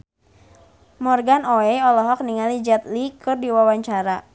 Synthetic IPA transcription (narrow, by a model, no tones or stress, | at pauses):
mɔrɡanɔɛɔlɔɦɔk̚niŋalid͡ʒat̪likɨrdiwawaɲt͡ʃaɾa